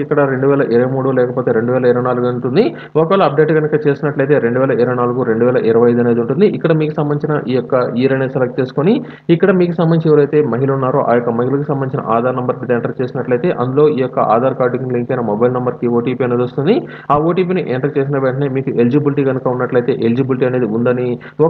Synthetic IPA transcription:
ikːɐɽɐɾe̞ɳɖuʋɛːlɐʔiɾɐʋɐjmuːɽulɛːkɐpoːt̪e̞ːɾe̞ɳɖuʋɛːlɐiɾɐʋɐjnaːluɡɐuɳʈund̪i | ɔkɐʋɛlɐɐp̚ɖe̞ːʈɡɐnukɐt͡ʃe̞ːsinɐʈlɐjt̪eːɾe̞ɳɖuʋɛːlɐiɾɐʋɐjnaːluɡuɾeɳɖuʋɛːlɐʔiɾɐʋɐjɐjd̪uɐne̞ːd̪uɳʈund̪iʔikːɐɽɐmiːkusɐmbɐnit͡ʃinɐʔiːjɔkːɐiːɾɐneselɐk̚t͡ʃe̞ːsu̥koni | ikːɐɽɐmiːkusɐmːɐnit͡ʃeʋɐɾɐjt̪e̞ːmɐɦilɐunːaːɾoʔa̰ːjɔkːɐmɐɦilɐkusɐmɐnit͡ʃinɐ̰ʔaːd̪ʱaːɾnɐmbɐɾid̪eːɳʈɐɾt͡ʃe̞ːsinɐʈlɐjt̪e̞ːʔɐ̰nd̪ulo̞ːʔiːjɔkːɐʔa̰ːd̪aːɾkaːɾɖikiŋliŋkɐjnɐmobɐjlnɐmbɐɾkioːʈiːpiɐneːd̪ost̪und̪i | aːoːʈiːp̬iːniʔeːɳʈɐɾt͡ʃe̞ːs̬inɐʋeɳʈɐneːmiːkuʔe̞lid͡ʒibiliʈiːɡɐnukɐunːɐʈlɐjt̪e̞ːʔeld͡ʒibilʈiːɐne̞ːd̪iund̪ɐni

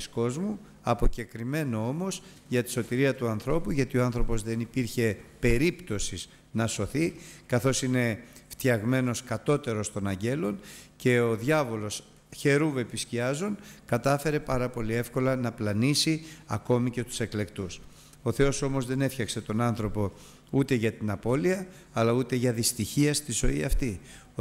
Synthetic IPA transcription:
isko̞zmu | ɐpo̞ce̞kɾime̞no̞o̞mo̞s | ʝɐt̪i̥so̞t̪iɾiɐt̪uɐnθɾo̞puʝɐt̪io̞ɐnθɾo̞po̞zðe̞nipiɾçe̞pe̞ɾipt̪o̞siz | nɐso̞θikɐθo̞sine̞ft̪jɐɣme̞no̞skɐt̪o̞t̪e̞ɾo̞st̪o̞nɐɲɟe̞lo̞nce̞oðʝɐvo̞lo̞s | çe̞ɾuve̞pisciɐzonkɐt̪ɐfe̞ɾe̞pɐɾɐpo̞lie̞fko̞lɐnɐplɐnisiɐko̞mice̞t̪u̥se̞kle̞kt̪us | o̞θe̞o̞so̞mo̞zðe̞ne̞fçɐkse̞t̪o̞nɐnθɾo̞po̞ | ut̪e̞ʝɐt̪inɐpo̞liɐː | lɐut̪e̞ʝɐðist̪içiɐst̪izo̞iɐft̪i

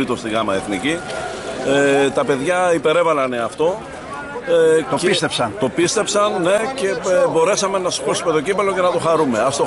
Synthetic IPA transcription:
it̪ost̪iɡɐmɐeθnici | et̪ɐpe̞ðʝɐipe̞ɾe̞vɐlɐneɐft̪o̞ | oist̪psɐnt̪o̞pist̪e̞psɐnːe̞ce̞bo̞ɾesɐmenɐsi̥posume̞t̪o̞cipɐlo̞ce̞nɐt̪o̞xɐɾume̞ɐft̪o

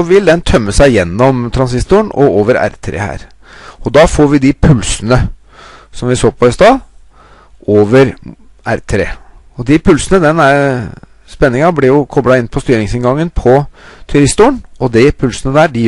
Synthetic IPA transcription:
ɔʋɪld̪ɛnt̪ʰœmːəsæɪjɛnːɔmt̪ʰɾɑns̬ɪst̪ʊəɳɔ̰oːʋəɾæ̰ɾt̪ʰɾḛːhæ̰ːɾ | ɔd̪ɑfoːɾʋɪd̪ɪpʰʉlsənə | sɔmʋɪsoːpʰɔɪst̪ɑː | oːʋəɾ | æɾt̪ʰɾḛː | ɔd̪ɪpʰʉlsənəd̪ɛnæɾ | spɛnːɪŋɑblɪjʊkʰɔbɽɑɪnːpʰɔst̪yːɾɪŋsɪnɡɑŋːənpʰɔt̪ʰʉɾɪst̪ʊːəɳɔd̪ɪpʰʉlsənəd̪æːɖɪ

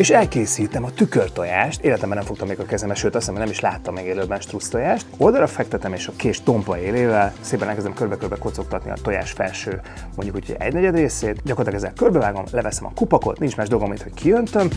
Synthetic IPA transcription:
eːʃɛlkeːsiːt̪ɛmɒt̪ykørt̪o̞jaːʃt̪eːlɛt̪ɛmbɛnɛmfo̞kt̪ɒmːeːɡɒkɛzɛmɛʃøːt̪ɒsomɦonɛmiʃla̰ːt̪ːɒmːeɡeːløːbmɛnʃt̪rust̪ojaːʃt̪o̞ld̪ɒɾɒfɛk̚t̪ɛt̪ɛmeːʃɒkeːʃt̪o̞mpɒeːleːvɛlseːpɛnɛlkɛzd̪ɛmkørbɛkørbɛkot̪sok̚t̪ɒt̪nḭɒ̰t̪o̞ja̰ːʃfɛ̰lʃøː | mo̞ɲɟukucʰoɟ̰ɛ̰ɟnɛɟɛd̪reːseːt̪ɟɒkorɑt̪ɑkɛzːɛ̰lkørbɛvaːɡo̞mlɛvɛsɛmɒ̰kupɒko̞̰t̪nint͡ʃmaːʒd̪olɡomint̪ho̞ckʰijønt̪øm

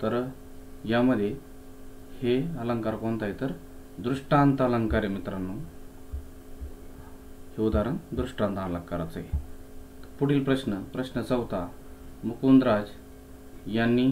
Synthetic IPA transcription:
t̪əɾ | jaməd̪ʱje | heələŋkaɾkont̪ajt̪əɾ | d̪ɾuʂʈant̪ələŋkaɾəmit̪ɾanːu | hed̪aɾənd̪ɾuʂʈãnt̪aləŋkːaɾat͡sḛ | puɽiːlpɾəɕnəpɾəɕnət͡səwt̪a | mukund̪ɾad͡z | janːiː

